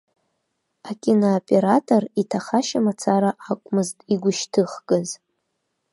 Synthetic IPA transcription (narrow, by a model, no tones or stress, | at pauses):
akʲʼinoːpʼe̞ɾatʰʼoritʰaχaʃamat͡sʰaɾaʔakʷʼmɨztʼiɡʷʊʃtʰɨχkʼɨz